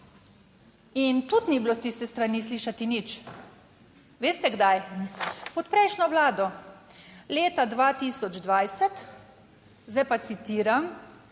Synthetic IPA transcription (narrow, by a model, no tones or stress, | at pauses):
int̪ut̪niblost̪ist̪ɛst̪ɾanisliːʃat̪init͡ʃ | ʋeːst̪ɛɡd̪aj | pɔt̪pɾɛjʃnɔʋlaːd̪ɔ | leːt̪ad̪ʋaːt̪iːsɔd͡ʒd̪ʋajsɛt̪ | zajpat̪sit̪iːɾam